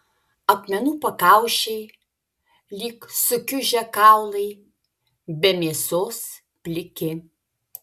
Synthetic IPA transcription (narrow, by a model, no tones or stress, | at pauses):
ɐpʲmʲɛnuːpɐkɑˑʊʃʲɛɪ | lʲiːksʊkʲʊʒʲɛkɑˑʊlˠɐɪ | bʲɛmʲeːsoːs | pʲlʲɪkʲɪ